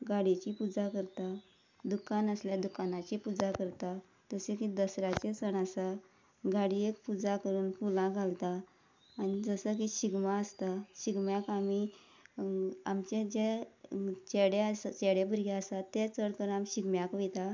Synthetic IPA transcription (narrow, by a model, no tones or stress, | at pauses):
ɡaɽit͡ɕipud͡zakəɾt̪a | d̪ukanəsljad̪ukanat͡ɕipud͡zakəɾt̪a | t̪əsekid̪əsɾat͡ɕet͡səɳasa | ɡaɽiekpud͡zakəɾuːnpulãɡʱalt̪aː | ñid͡zəsək̬iɕiɡmaəst̪aɕiɡmjakami | amt͡ɕed͡ʑe | t͡ɕeɽeasat͡ɕeɽebəɾɡeəsat̪ːet͡səɽkəɾamɕiɡmjakʋit̪a